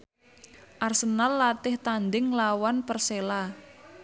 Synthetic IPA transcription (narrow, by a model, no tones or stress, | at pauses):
ʔarsənalːat̪ɪht̪and̪ɪŋlawanpərsela